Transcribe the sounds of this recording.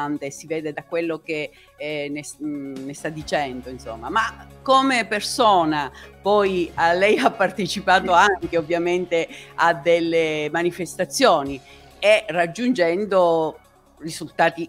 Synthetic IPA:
nt̪esivɛːd̪ed̪akwelːok̟e | nesnest̪ad̪ːit͡ʃɛnd̪oinso̰mːamakːomepersoːnapɔjalɛjapːart̪et͡ʃipaːt̪oaŋkeovːjament̪ead̪elːemanifest̪at̪sːjoːni | erːad͡ʒːund͡ʒɛnd̪o | rizult̪aːt̪i

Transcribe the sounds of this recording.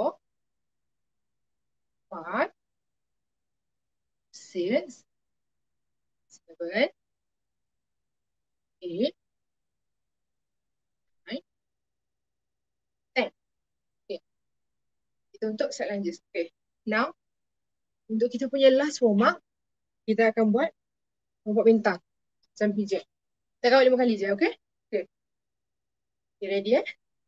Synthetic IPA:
ɔ | wan | sis | svən | ke | j | t̪ɛ̃n | oke | kit̪aunt̪ʊk̚saʔ̚laɲd͡ʒʊt̪oke | nãw | unt̪ʊkːit̪apuɲalaswomaʔ | kit̪aːkanbuat̪̚ | məmbuaʔ̚bint̪aŋ | samfid͡ʒə | it̪aʔkawʔdimakanlid͡ʒaoke | oke | diɾediə

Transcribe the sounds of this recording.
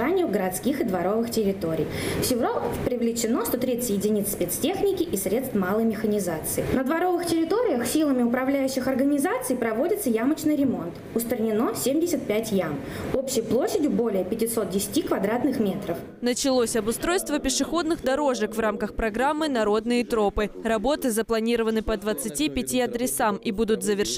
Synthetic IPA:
anʲɪjʊɡəɾɐt̪skʲixɨd̪vɐɾo̞vɨxtʲɪɾʲɪt̪o̞ɾʲɪ̰jfsʲɪvopɾʲɪvlʲɪt͡ɕɪnost̪ot̪ɾʲit̪sət̪ʲjɪdʲɪnʲit̪sʲpʲet̪stʲe̞xnʲɪkʲɪʔisɾʲe̞t̪st̪malˠəjmʲɪxənʲɪzat̪sɨɪnəd̪vɐɾo̞vɨxtʲɪɾʲɪt̪o̞ɾʲɪjəxsʲilˠəmʲɪʊpɾɐvlʲæjʉɕːɪxɐrɡənʲɪzat̪sɨjpɾɐvo̞dʲɪt̪səjamət͡ɕnɨjɾʲɪmo̞nt̪ | ʊst̪ɾənʲɪno̞sʲemʲdʲɪsʲət̪̚pʲætʲjam | opɕːɪjplˠoɕːɪdʲʊbo̞lʲɪjəpʲɪtʲɪso̞t̪̚dʲɪsʲɪ̥tʲikvɐd̪ɾat̪nɨxmʲe̞t̪ɾəf | nət͡ɕɪlˠosʲɐbʊst̪ɾo̞jst̪vəpʲɪʂɨxo̞d̪nɨxd̪ɐɾo̞ʐɨkvramkəxpɾɐɡɾamːɨnɐɾo̞d̪nɨjɪt̪ɾo̞pɨɾɐbo̞t̪ɨzəplˠɐnʲiɾəvənɨpəd̪vət̪sɨtʲipʲɪtʲiɐd̪ɾʲɪsamibud̪ʊt̪zəvʲɪrʂ

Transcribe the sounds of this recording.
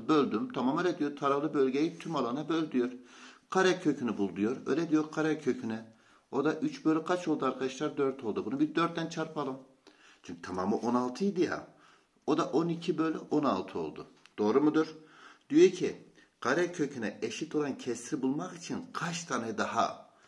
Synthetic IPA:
bø̞lʲd̪ymt̪ʰamamølʲɛd̪ijoɾt̪ʰaɾaflˠɯbølʲɟejit̪ʰymalˠanabø̞lʲd̪yjo̞ɾkʰaɾɛcʰø̞cʰynybulˠd̪ujo̞ɾø̰jlʲɛd̪ijo̞ɾqʰaɾɛcʰø̞cʰynɛ | o̞d̪aʔyt͡ʃbølʲykʰat͡ʃʰo̞lˠd̪uaɾkʰad̪aʃlˠaɾd̪øɾt̪ʰo̞lˠd̪ubunubiɾd̪øɾt̪̚d̪ænt͡ʃʰaɾpʰalˠɯm | t͡ʃʰyɲcyt̪ʰamamɯʔo̞nalˠt̪ʰɯjd̪ija̰ | o̞d̪aʔo̞nicʰibø̞lʲyʔo̞nalˠt̪ʰɯo̞̰lˠd̪ud̪̥o̞ːɾumud̪uɾd̪̥ijo̞ɾcʰi | qʰaɾɛcʰø̞cʰynɛeʃit̪ʰo̞lˠancʰɛsɾibulˠmakit͡ʃʰinkʰat͡ʃt̪ʰanɛjd̪aɦa̰

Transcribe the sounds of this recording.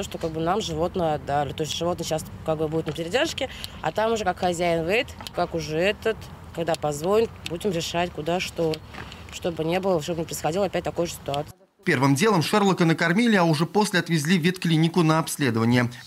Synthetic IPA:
t̪oʂt̪okaɡ̚bɨnamʐɨvo̞t̪nəjɐd̪ːalʲɪt̪o̞ɪst̪ʲʐ̥ɨvot̪nəɕaskaɡbɨbudɪt̪nəpʲɪɾʲɪdʲerʂkʲɪɐ̰t̪amʊʐɛkakxɐzʲæɪnvɛt̪kakʊʐɛɛt̪ət̪ | kɐɡd̪apɐzvolʲnʲɪt̪budʲɪmɾʲɪʂatʲkʊd̪aʂt̪oʂt̪o̞bɨnʲe̞bəlˠəʂt̪obənʲɪpɾəɪjsxɐdʲilˠəɐpʲæt̚ʲt̪ɐko̞jʊʐəsʲɪ̥t̪ʊat̪s | pʲe̞rvɨmdʲelˠəmʂɛrlˠəkənəkɐrmʲilʲɪaʊʐɛposʲlʲɪɐt̪vʲɪzʲlʲivʲit̪klʲinʲɪkʊnəɐpsʲlʲe̞d̪əvənʲɪjə

